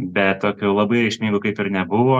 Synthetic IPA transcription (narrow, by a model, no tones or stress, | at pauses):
bʲɛt̪t̪oːkʲɛʊlˠɐbɐɪɾɐɪʃʲmʲiŋɡʊkɐɪpɪɾnʲɛbʊʋoː